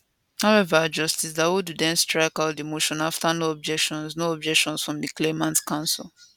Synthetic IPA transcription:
haʊɛvad͡ʒʌstisdawududɛ̃nstɹaɪkaʊt̚dimoʃɔ̃naftanoɔb̚d͡ʒɛkʃɔ̃nsnoɔb̚d͡ʒɛkʃɔ̃nsfɹɔ̃mdiklemãntkãʊ̃nsɪ̰lˠ

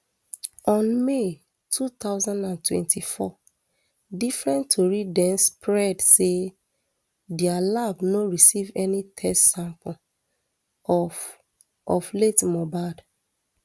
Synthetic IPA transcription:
ɔ̃nme | tʰut̪aʊzãndãntwɛ̰̃ntʰifɔ | difɹɛ̃ntʰːoɹidɛ̃nspɹɛdse | dɛalavnoɹisivɛnitʰɛstsãmpɔ̃ | ɔfletmɔbad

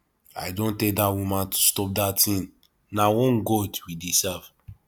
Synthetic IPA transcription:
a̰ɪdõntedawũmãntu̥stɔp̚datĩn | nawɔ̃nɡɔdwidisɛv

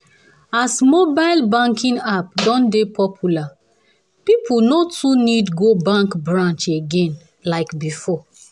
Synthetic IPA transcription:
asmobaɪlbãŋkʰĩnapdɔ̃ndepʰɔpʰjula | pipʰunotʰunidɡobãŋkbɹãnt͡ʃeɡẽn | laɪkbifɔ

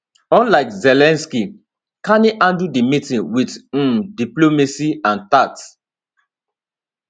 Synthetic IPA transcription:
ɔ̃nlaɪkzɛlɛ̃nski | kaniʔãndudimitĩnwid̩diplomesiãntat

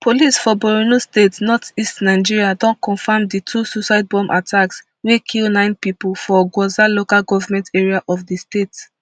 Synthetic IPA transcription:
pʰolisfɔbɔɹinostetnɔtistnaɪd͡ʒiɹiadɔ̃nkɔ̃nfamditʰususaɪd̚bɔ̃mʔatʰaks | wekʰilnãɪ̃npipulfɔɡwɔzalokalɡɔvamɛ̃nteɹiaʔɔfdistet

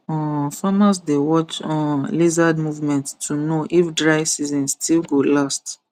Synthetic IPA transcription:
ɔ̃famasdewɔt͡ʃɔ̃nlezadmuvmɛ̃nttʰunoʔifdɹaɪsizɔ̃nsstʰilɡolast

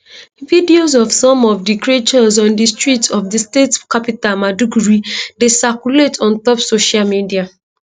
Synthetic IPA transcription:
vidiozɔvsɔ̃mɔvdikɹet͡ʃɔzɔ̃ndistɹitɔvdistetkapitalmaduɡuɹidesakuletɔ̃ntɔpsoʃalmidia

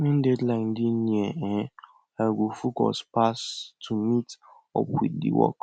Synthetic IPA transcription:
mẽn̩dɛdlaɪndine | ɛɡʷofukɔ̰spastʰumit | ɔ̰pḭdḭwɔ̰k

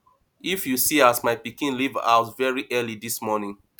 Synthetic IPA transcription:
ifjusiasmaɪpikĩnliva̰ʊtvɛɹiʔɜlidismɔnĩn

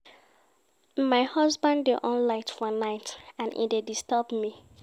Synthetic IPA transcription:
maɪhʌzbãndeʔɔ̃nlaɪtfɔnaɪtãnʔḭdedistəbmi

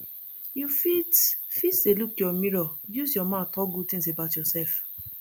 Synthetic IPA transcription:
jufitfitelukjɔmiɹɔjuzjɔmãtɔɡud̚tĩŋs̬ebaʊtjɔsɛlf

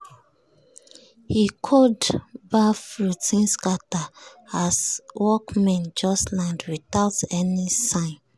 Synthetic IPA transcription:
hikʰɔdbafɹutĩnskataaswɔkmɛ̃nd͡ʒɔslãndwiθaʊtɛnisãɪ̃n

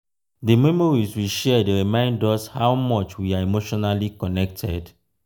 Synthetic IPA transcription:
demɛmɔɹiswiʃɛdeɹimãɪ̃ndɔshaʊmɔt͡ʃwiaemoʃɔnalikɔnɛk̚tʰɛd

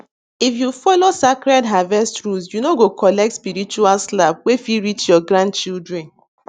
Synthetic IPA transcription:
ifjufɔlosakɾɛdɦavɛstɾus̬junoɡokʰɔlɛk̚tspiɾit͡ʃualslab̚wefiɾit͡ʃjɔɡɾãnd̚t͡ʃildɹɛ̃n

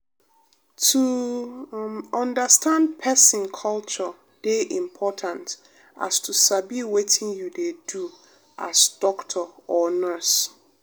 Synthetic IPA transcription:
tʰu | ɔ̃ndəstʰãndpʰɛsɪ̃nkʰɔlt͡ʃɔ | d̥eʔĩmpʰɔtʰãnt | a̰stʰusabiwetʰɪ̃njudedu | ʔa̰sd̥ɔktʰɔɔnɛs

